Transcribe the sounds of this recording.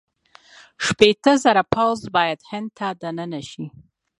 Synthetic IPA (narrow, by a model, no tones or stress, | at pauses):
ʃpet̪əzaɾapawzbɑjad̪hɪnd̪̚t̪ad̪anənaʃi